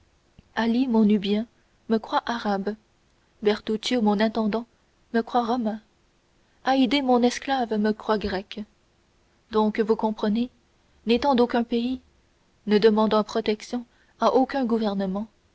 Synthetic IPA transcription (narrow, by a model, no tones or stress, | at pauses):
alimɔ̃nybjɛ̃ | məkχwaʔaʁab | bɛʁt̪ut̪jomɔ̃nɛ̃t̪ɑ̃d̪ɑ̃ | məkχwaʁɔmɛ̃ | aid̪emɔ̃nɛsklavməkχwaɡʁɛk | d̪ɔ̃kəvukɔ̃pχəne | net̪ɑ̃d̪okʲɛ̃pei | nəd̪əmɑ̃d̪ɑ̃pχɔt̪ɛksjɔ̃ | aʔokʲœ̃ɡuvɛʁnəmɑ̃